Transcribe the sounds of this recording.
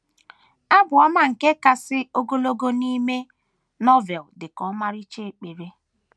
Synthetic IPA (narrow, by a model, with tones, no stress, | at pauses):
a˦bʊ˨ɔ˦ma˦ŋ̩˨ke˦ka˨sɪ˦o˦ɡo˦lo˦ɡo˦ni˦me˦ | nɔ˦vɛ˨ldɪ˨kɔ˦ma˦ɾi˦t͡ʃe˦e˨k͡pe˨ɾe˦